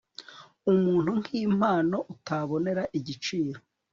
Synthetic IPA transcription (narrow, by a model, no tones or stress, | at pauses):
umuːn̥huŋ̥hiːm̥haːno̞ʔutaβo̞ne̞ɾaʔiɟit͡ʃiːɾo